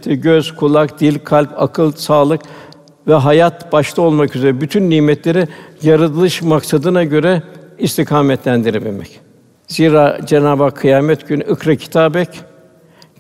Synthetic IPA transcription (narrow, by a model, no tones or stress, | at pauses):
t̪ʰɛɟøz̥kʰulˠakd̪̥ilʲkʰalʲpakʰɯlˠsaːlˠɯk | vɛɦajat̪b̥aʃt̪ʰao̞lˠmakyze̞ɾɛbyt̪ʰynːʲiːmɛt̪lʲe̞ɾijaɾɯd̪ɯlˠɯʃmaksad̪ɯnaɟø̞ɾɛist̪ʰikʰaːmɛt̪lʲænd̪iɾɛbilʲmɛ̰c | ziːɾaːd͡ʒenaːbakʰːɯjaːmɛt̪ɟynɯkɾacʰi̥t̪ʰaːbɛc